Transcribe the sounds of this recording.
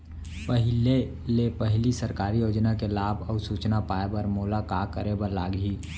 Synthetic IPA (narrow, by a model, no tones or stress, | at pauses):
pəɦɪle | lepəɦɪlisəɾkaːɾijoːd͡ʒnakelaːbʱɔːsuːt͡ʃnapaːebəɾmoːlakaːkəɾebəɾla̰ːɡiː